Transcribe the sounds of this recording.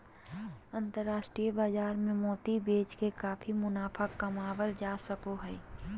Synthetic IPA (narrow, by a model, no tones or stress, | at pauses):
ə̃nt̪əɾːaːʃʈɾijbaːzaːɾmẽmoːt̪ibeːt͡ʃkekaːfʰimʊnaːfʰakɐmaːwəld͡ʒaːsəkoɦɛː